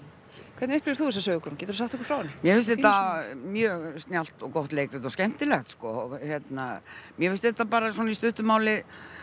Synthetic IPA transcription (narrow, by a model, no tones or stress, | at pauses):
kʰɛɾt̪nʏhplɪɾθuɛs̬asœːɣɪkʰɔɾnmcɛːt̪ɾsaht̪ɛhkːɾ̥fɾaːwanːɪmjɛfɪst̪ɛht̪amjœːɣst̪njal̥t̪ɔɣkɔht̪leːjkɾɪt̪ɔscɛm̥t̪ɪlɛxt̪skɔçjɛt̪namjɛfɪfst̪ɪɛt̪ːapaːɾasɔnaist̪ʏht̪ʏmaːwlɪ